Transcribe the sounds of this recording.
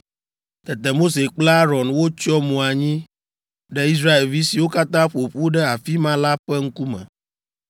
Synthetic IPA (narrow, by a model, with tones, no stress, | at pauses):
t̪ɛ˨t̪ɛ˨mo˦se˨k͡pla˦ɾɔ̃˨nwo˦t͡ʃɔ˦mũ˨a˨ɲĩ˦ | ɖɛ˦i˦s̬ɾa˦e˨lvi˦si˨wo˦ka˦t̪ã˦ɸo˨ɸu˦ɖɛ˦a˨fi˦mã˦la˦ɸɛ˦ŋ̩˦ku˦mɛ̰̃˨